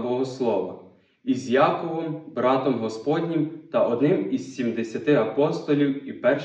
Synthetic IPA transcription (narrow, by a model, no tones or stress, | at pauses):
bɔɦɔslˠɔʋɐ̰ | izjɑkɔʋɔmbɾɑt̪ɔmɦɔspɔd̪ʲnʲimt̪ɐʔɔd̪nɪmizsʲimd̪esʲɐt̪ɪɐpɔst̪ɔlʲiwipɛrʃ